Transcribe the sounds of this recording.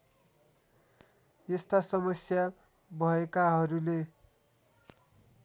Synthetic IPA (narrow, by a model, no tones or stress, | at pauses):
est̪asʌmʌsja | bʱʌekaɦʌɾule